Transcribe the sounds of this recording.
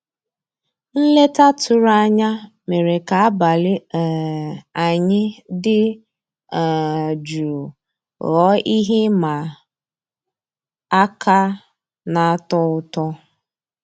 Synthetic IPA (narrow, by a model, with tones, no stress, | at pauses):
n̩˦le˦ta˦tʰʊ˨ɾa˦ɲa˦ | me˨ɾe˨ka˨a˦ba˨lɪ˦˨ | a˨ɲɪ˦dɪ˦˨ | d͡ʒu˨ɾu˨ | ɣɔ˦i˦ɦe˦ma˨ | a˦ka˦ | na˨a˦tɔ˦ʊ˦tɔ˦